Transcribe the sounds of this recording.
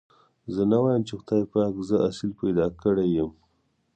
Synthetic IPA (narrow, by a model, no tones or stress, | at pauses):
zənawɑjəmt͡ʃexʊ̥t̪ɑjpɑkzəʔasilpajd̪ɑkəɽejəm